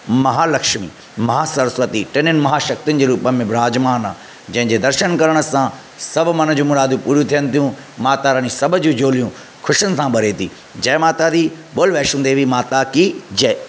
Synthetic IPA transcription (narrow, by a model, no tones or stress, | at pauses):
mɐɦaːlɐkʃmḭː | mɐɦaːsɐɾsʋət̪iʈɐnɪnɪmɐɦaːʃɐk̚t̪iʊn̆d͡ʑeːɾuːpəmẽbɾaːd͡ʑmaːnaː | d͡ʑɐ̃ɦɪ̃ɲd͡ʑeːd̪ɐɾʃənkɐɾəɽ̃əsã | sɐbʱmɐn̤ə̆d͡ʑũːmʊɾaːd̪ũpuːɾijũt̪ʰijənɪ̆t̪ijũ | maːt̪aɾanĩsɐbʱd͡ʑũːd͡ʑoːlijũ | kʰʊʃənɪ̆sãbɐɾet̪ʰiː | d͡ʑɐɦmaːt̪ad̪i | ɓoːlʋɛːʃũːnd̪eʋʱimaːt̪akid͡ʑɐ